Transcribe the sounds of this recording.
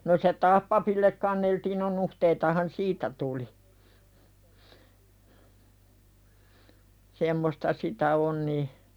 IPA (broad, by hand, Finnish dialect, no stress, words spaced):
no se tɑːh pɑpilːek kɑnːeltiːn no nuhteitɑhɑn siːtæ tuli semːostɑ sitæ on ni